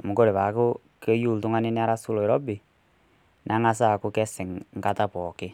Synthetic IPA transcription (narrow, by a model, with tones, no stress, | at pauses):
mo˨ko˦ɾe˨βa˨˦ko˦ | ke˦ju˦˨ltʊ˦ŋa˦nɪ˦nɪ˦a˦ɾa˦su˦lo˨e˨ɾɔ˦bɪ˨ | nʔa˦ŋa˦s̬a˦˨kʊ˦kɛ˦sɪ˨ŋŋ̩˨ka˦ta˦pɔ˨kɪ˦